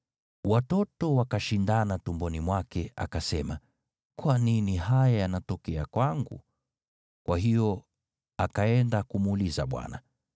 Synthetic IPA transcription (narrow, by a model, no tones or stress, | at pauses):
watɔtɔwakaʃindanatumbɔnimwakɛa̰kasɛma | kwaniniɦajajanatɔkɛakwaŋɡṵ | kwʔaɦijɔ | akaɛndakumuliza̰ɓwa̰na̰